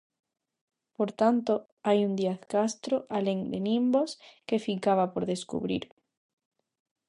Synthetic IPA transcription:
poɾt̪ant̪o | ajund̪iaθkast̪ɾoʔaleŋd̪ḛnĩmboskefikaβapoɾðeskṵβɾḭɾ

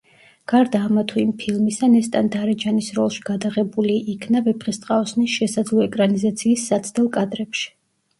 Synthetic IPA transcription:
ɡ̥aɾd̪aːmat̪ʰuimpʰilˠmisanɛst̪ʼand̪aɾɛd͡ʒanisɾɔlˠʃi̥ɡ̥ad̪aʁɛbuliʔikʰnavɛpʰχist̪ʼqʼaɔsnisʃɛsad̪zlˠɔɛkʼɾanizat̪sʰiːsːat̪sʰd̪ɛlˠkʼad̪ɾɛpʃi̥

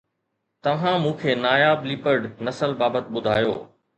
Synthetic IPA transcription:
t̪ɐʋ̤ãmũːkʰeːnaːjaːbliːpəɾɖnɐsəlbaːbət̪ɓʊd̪ʱaːjo̰ː

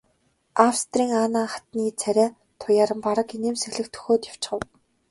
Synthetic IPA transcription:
awst̪riːŋaːnaːχḁt̪niːt͡sʰæɾʲæː | t̪ʰʊjaːɾə̆mpaɾə̆kineːmsexɮɘ̆kt̪ʰɵ̥xoːt̪jaw̥t͡ɕɢə̆w

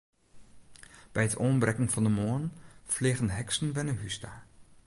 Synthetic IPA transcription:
b̥ɛjətʰoːnbrɛkəŋfɑndəmoːnfleːχənɦɛksən̩ʋɛnəɦysta

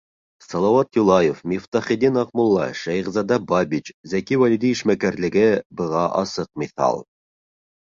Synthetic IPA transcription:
sɑlˠɑwɑt̪julˠɑjofmʲift̪ɑχid̪inɑqmulˠːɑʃæjʁzɑd̪ɑbɑbʲit͡ɕzækiwælʲid̪iiʃmækæɾlɘ̆ɡɘbɤ̆ʁɑʔɑ̰sɤq̚miθɑ̰lˠ

